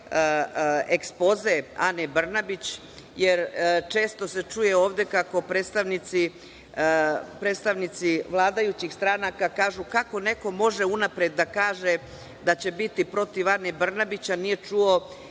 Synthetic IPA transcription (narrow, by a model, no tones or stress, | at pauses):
ekspo̞ze̞a̰nebr̩nabit͡ɕ | jeɾt͡ʃe̞ːst̪o̞se̞t͡ʂuje̞oːʋd̪e̞kako̞pɾeːt̪st̪aʋnit̪si | pɾet̪st̪aʋnit̪siʋlˠaːd̪ajut͡ɕixst̪ɾanakakaːʒukako̞ne̞ko̞mo̞ʒeunapɾed̪ːakaːʒe̞ | d̪at͡ɕe̞bit̪ipɾo̞t̪iʋanebr̩nabit͡ɕanije̞t͡ʂuo̞